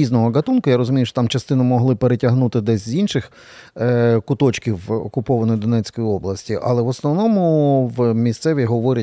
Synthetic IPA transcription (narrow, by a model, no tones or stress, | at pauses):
iznɔɦɔɡɐt̪unkʊjaɾɔzʊmʲijʊʃɔt̪amt͡ʃɐst̪ɪnʊmɔɦlˠɪpeɾetʲɐɦnut̪ɪd̪ɛsʲzʲinʃɪx | kʊt̪ɔt͡ʃkʲiwɔ̰kʊpɔʋɐnɔjid̪ɔnɛt͡sʲkɔjiɔblˠɐsʲtʲiʔɐ̰lˠɛʋɔsnɔʋnɔmʊʋmʲist̪sɛʋʲiɦɔʋɔɾʲɐ